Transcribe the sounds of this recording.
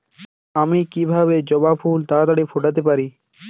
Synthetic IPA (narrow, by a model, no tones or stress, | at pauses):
amikibʱabed͡ʑɔbapʰuːlt̪aːt̪aɽipʰoʈat̪epaɾi